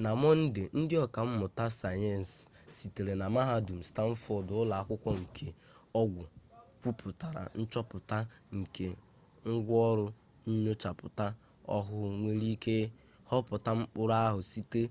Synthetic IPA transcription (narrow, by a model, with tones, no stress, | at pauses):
na˨mɔ˦n̩˦dɪ˨n̩˦dɪ˦ɔ˨ka˨m̩˦mʊ˨ta˦sa˨jɛ˦˨n˨sː | i˨te˨ɾe˨na˨ma˦ɦa˦du˨m̩˨sta˦m̩˦fɔ˦dʊ˨˦ʊ˦la˨a˦kʷʊ˦kʷɔ˦ŋ̩˨kʰe˨ | ɔ˦ɡʷʊ˨kʷu˦pʰʊ˨ta˨ɾa̰˨n̩˦t͡ʃɔ˦pʊ˨ta˦ŋ̩˨ke˨ | ŋ̩˦ɡʷɔ˦ɾʊ˦ | ɲ̩˦ɲo˦t͡ʃa˨pʊ˨ta˦ | ɔ̰˦ɦʊ˦ŋʷe˦ɾi˦ke˦ | hɔ˦pʊ˨ta˦m̩˦k͡pʊ˦ɾa˦a˦ɦʊ˨si˦te˦